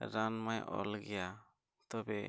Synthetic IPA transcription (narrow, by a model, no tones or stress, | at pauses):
ɾanmajʔɔ̰lɡɛja | t̪ɔbɛ